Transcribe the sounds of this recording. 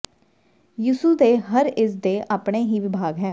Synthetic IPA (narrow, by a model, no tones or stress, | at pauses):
juːsuːd̪eːɦəɾɪs̬d̪eːʔaːpɳeːɦiːʋɪbʱaːɡɦɛː